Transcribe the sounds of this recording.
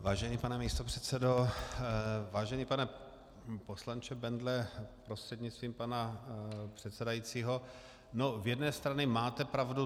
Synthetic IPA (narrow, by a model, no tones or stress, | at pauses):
vaːʒɛɲiːpanɛmiːst̪o̞pr̝̥ɛt̪t͡sɛdo | vaːʒɛɲiːpanɛ | poslant͡ʃɛbɛndlɛpɾost̪r̥ɛd̪ɲɪt͡st̪viːmpanapr̥ɛt̪sɛdajiːt͡siːɦo | novjɛdnɛːst̪ɾanɪmaːt̪ɛpɾavdu